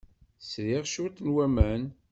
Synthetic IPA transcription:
sɾiʁʃʊɾt̪nwæmæn

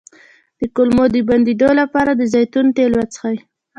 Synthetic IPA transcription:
d̪̥əkolmod̪əband̪id̪olapɑɾad̪əzajt̪unʈ̪elwat͡sə̥xaj

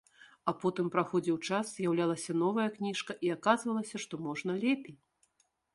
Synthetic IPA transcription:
ɐpɔt̪ɨmpɾaxɔd͡zʲiwt͡ʂaszʲjawlʲalˠɐsʲɐn̪ɔvɐjɐknʲiʂkɐʔiakazvɐlˠɐsʲɐʂt̪ɔmɔʐnɐlʲɛpʲej

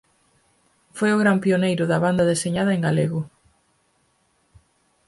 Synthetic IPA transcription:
fojʊɣɾampionejɾʊðɐβand̪ɐðeseɲað̞ɐeŋɡaleɣʊ

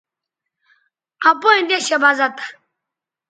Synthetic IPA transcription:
ʔapojind̪eɕebazat̪ḁ

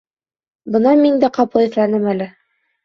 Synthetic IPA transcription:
bɤnɑmind̪æqɑplˠɤɘ̆θlænɘmælɘ

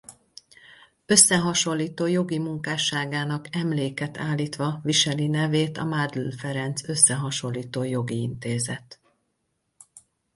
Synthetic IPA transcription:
ø̞sːɛɦɒʃo̞lːiːt̪oːjo̞ɡimuŋkaːʃaːɡaːnɒkɛmleːkɛt̪ʰaːlːiːt̪ʋɒviʃɛlinɛveːt̪ɒ̰maːd̪lulfɛɾɛnt̪sø̞sːɛɦɒʃo̞lːiːt̪oːjo̞ɡiint̪eːzɛt̪

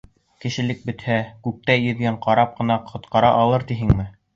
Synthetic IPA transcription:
kɘ̆ʃɘ̆lɘk̚bɘ̆t̪hækʉk̚t̪æjɵ̆ðɡæɴqɑɾɑp̚qɤ̆nɑqʰŏt̪qɑɾɑʔɑlˠɤɾt̪iɦɘŋmɘ

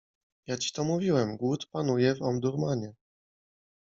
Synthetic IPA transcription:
jat͡ɕi̥t̪ɔmuvʲiwɛmɡwut̪panujɛvɔmd̪uɾmaɲɛ

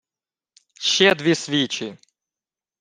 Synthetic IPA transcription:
ɕɛd̪ʋʲisʋʲit͡ɕɪ

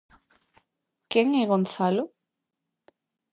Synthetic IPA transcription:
keŋɛɣonθalʊ

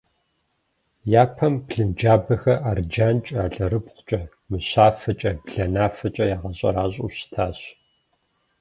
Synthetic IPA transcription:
jaːpʰɐmpɮɨnd͡ʒaːbɐxɐʔard͡ʒaːnt͡ʃʼaːɮɐɾɨpqʷʊ̥t͡ʃʼɐ | mɨɕaːfɐt͡ʃʼɐbɮɐnaːfɐt͡ʃʼɐjaːʁɐɕʼɐ̰ɾaːɕʼṵɕtʰaːɕ

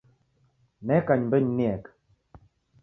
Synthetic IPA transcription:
nɛkaɲmbəɲnɛk

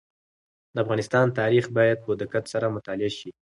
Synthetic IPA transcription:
d̪əafɣɑnɪst̪ɑnt̪ɑɾixbɑjad̪̚pəd̪akat̪saɾamʊt̪ɑlɪaʃi

